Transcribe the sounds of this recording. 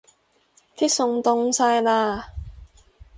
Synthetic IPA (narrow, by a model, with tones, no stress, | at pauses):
t̪ʰi˥k̚sʊ˧ŋt̪ʊ˧ŋsaː˧jlaː˧